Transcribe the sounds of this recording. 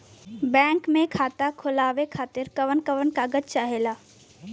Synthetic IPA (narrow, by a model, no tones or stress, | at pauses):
bɛ̃ːŋkmẽkʰaːt̪akʰʊlaːʋekʰaːt̪ɪɾkəʋənkəʋənkaɡət̪t͡ʃaːɦeːlaː